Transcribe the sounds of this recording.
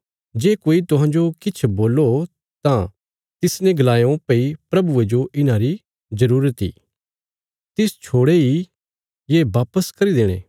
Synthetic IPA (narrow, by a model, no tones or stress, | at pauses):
d͡ʒeːkoːit̪ʊɦãːd͡ʒokɪt͡ʃʰboːlo | t̪ã | t̪ɪsnẽɡɐlaːjõpeipɾɐbued͡ʒoʔɪnãɾi | zɐɾuːɾət̪ḭː | t̪ɪst͡ʃʰoːɽei | jeːʋaːpəskɐɾid̪eːɽ̃ḛ̃ː